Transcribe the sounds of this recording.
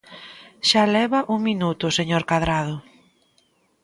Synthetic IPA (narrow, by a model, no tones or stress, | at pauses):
ʃalɛβɐʔuŋminut̪ʊseɲoɾkaðɾað̞ʊ